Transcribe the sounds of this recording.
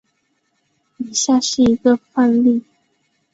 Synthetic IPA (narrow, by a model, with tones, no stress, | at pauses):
i˨˩ɕja˥˧ʂɻ̩˥˩i˧˥ɡə˧fa˥˧nli˥˩˨